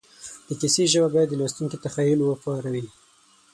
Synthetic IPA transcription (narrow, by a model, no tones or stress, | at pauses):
d̪̥əkiseʒəbabɑjad̪ːəlɑst̪uŋkit̪axɑjulwəpɑɾawi